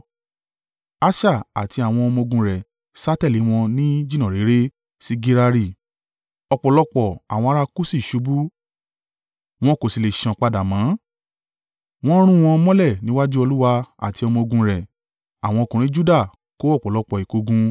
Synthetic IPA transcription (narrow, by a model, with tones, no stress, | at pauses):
a˦ʃa˦˨a̰˨ti˧a˨w̃ɔ̃˧ɔ˧mɔ̃˧ɡũ˧ɾɛ˨ | sa˦tɛ˦˨li˨˦w̃ɔ̃˧nĩ˦d͡ʒi˦nã˨ɾe˨˦ɾe˦ | si˦ɡi˧ɾa˧ɾi˦˨ | ɔ˧˨k͡pɔ˨lɔ˧k͡pɔ˨a˨w̃ɔ̃˧a˦˧ɾa˧ku˦si˦˨ʃu˨˦bu˦ | w̃ɔ̃˦ko˨si˨le˨ʃã˨k͡pa˧da˨mãː˨˦ | w̃ɔ̃˦ɾ̃ũ˦w̃ɔ̃˧mɔ̃˦lɛ˦˨nĩ˨˦wa˦d͡ʒu˦ɔ˧lu˦wa˧a̰˨ti˧ɔ˧mɔ̃˧o˧ɡũ˧ɾɛ˨ | a˨w̃ɔ̃˧kũ˨ɾ̃ĩ˨˦d͡ʒu˦da˦˨ | ko˦ɔ˦˨k͡pɔ˨lɔ˧k͡pɔ˨i˨ko˧˦ɡũ˧